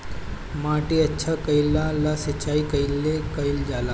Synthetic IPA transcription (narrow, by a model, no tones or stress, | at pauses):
mãːʈiətːʃʰakəjlːalasət͡ʃaːikəilːekəjld͡ʒaːla